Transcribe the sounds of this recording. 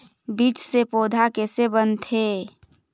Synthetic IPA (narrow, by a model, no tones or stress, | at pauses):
biːt͡ʃsepoːd̪ʱakeːsebənt̪ʰe